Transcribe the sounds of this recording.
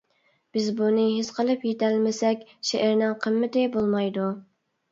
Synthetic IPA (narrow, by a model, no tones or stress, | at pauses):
b̥ɪzbunɨɦɪzqʰəlˠɨpjet̪ʰælmɪsɛkʲʃeʔæɾnɪŋqʰəmːɪt̪ɪbolˠmɑjd̪u